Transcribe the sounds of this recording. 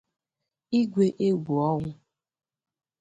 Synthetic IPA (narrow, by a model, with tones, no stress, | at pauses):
i˦ɡʷe˦ʔe˦ɡʷu˨ɔ˦ŋʷʊ˦